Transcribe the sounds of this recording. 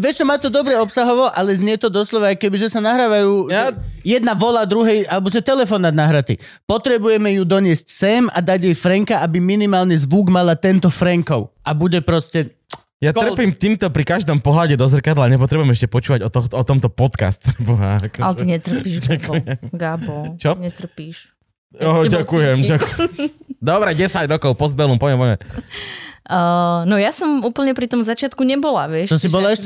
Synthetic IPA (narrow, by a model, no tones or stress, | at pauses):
ʋɛʃt͡ʃɔmaːt̪ɔd̪ɔbɾɛɔpsaɦɔʋɔʔalɛzɲɪɛt̪ɔd̪ɔslɔʋaːjkɛbiʒɛsanaɦɾaːʋajuːjɛd̪naʋɔlad̪ɾuɦɛjalɛbɔʒɛt̪ɛlɛfɔnːad̪naɦɾat̪ḭ | pɔt̪ɾɛbujɛmɛjud̪ɔɲɪɛscsɛma̰d̪aɟjɛjfɾɛŋkaʔabiminimaːlnizʋuɡmalat̪ɛnt̪ɔfɾɛŋkɔʊʔabuɟɛpɾɔscɛ | jat̪rpiːmt̪iːmt̪ɔpɾikaʒd̪ɔmpɔɦlaɟɛd̪ɔzr̩kad̪laɲɛp̬ɔt̪ɾɛbujɛmɛʃcɛpɔt͡ʃuːʋaɟɔt̪ɔɔt̪ɔmt̪ɔpɔt̪ka̰st̪pɾɛbɔɦa̰akɔa̰lɛt̪iɲɛt̪r̩piʃɟakujɛmɡabɔt͡ʃɔɲɛt̪r̩piːʃ | ɔɟakujɛmakɛd̪ɔbɾɛɟɛsaɟɾɔkɔʊpɔzbɛlumpɔʋjɛmpɔɛ̰ | ənɔjasɔmuːpl̩ɲɛpɾit̪ɔmzat͡ʃɪat̪kuɲɛbɔlaʋɪɛʃɔsibɔlaɛʃ